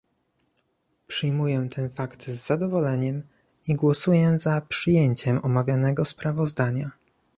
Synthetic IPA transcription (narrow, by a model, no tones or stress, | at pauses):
pʂɘjmujɛt̪ʰɛnfakt̪zːad̪ɔvɔlɛɲɛm | iɡwɔsujɛzapʂɘjeɲt͡ɕɛmɔmavʲjanɛɡɔspɾavɔzd̪aɲa